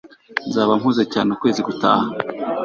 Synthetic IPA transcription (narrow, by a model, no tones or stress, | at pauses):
nzaːβamhuːzecaːneukwe̞ːziɡuta̰ːha